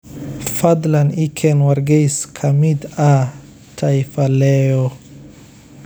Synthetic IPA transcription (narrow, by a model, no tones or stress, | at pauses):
fad̪lanikʰɛnwaɾɡejskʰamid̪a | tʰajfalɛo